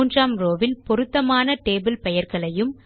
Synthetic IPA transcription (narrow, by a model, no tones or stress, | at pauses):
ndraːmɾoːʋɪlpɔɾɯt̪ːɐmaːnɐʈeːbɪlpɛjɐɾɣɐɭɐjɯm